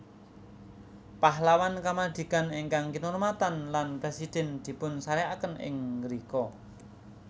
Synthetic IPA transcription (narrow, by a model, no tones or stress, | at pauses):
paɦlawankamad̪̥i̤kaneŋkaŋkinormat̪anlanpɾesid̪̥ɛ̤nd̪̥i̤pʊnsaɾeakənʔɪ̰ŋɾikɔ